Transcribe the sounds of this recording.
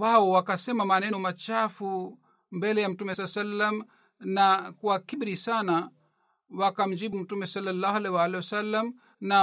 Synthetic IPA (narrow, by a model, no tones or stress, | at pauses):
waɔwakasɛmamanɛnɔmat͡ʃafu | mbɛlɛjam̩tumɛssalːam | nakwakibɾisana | wakam̩d͡ʒiɓum̩tumɛsɔlːalːahalɛwalɛwasalːam | na